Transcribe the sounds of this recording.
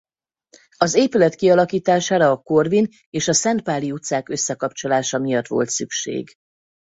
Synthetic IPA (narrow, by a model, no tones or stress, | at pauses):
ɒzeːpylɛt̪kiɒlɒkiːt̪aːʃaːɾɒːko̞rvin | eːʃɒsɛnt̪̚paːliut̪saːkøsːɛkɒpt͡ʃo̞laːʃɒmijɒt̪ʋo̞̰lt̪sykʃḛːɡ